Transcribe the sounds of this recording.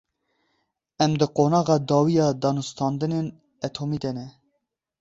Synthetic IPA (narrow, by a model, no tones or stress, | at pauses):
ɛmd̪ɨqoːnɑːɣɑːd̪ɑːwijɑːd̪ɑːnust̪ʰɑːnd̪ɨnen | ɛt̪ʰoːmiːd̪ɛnɛ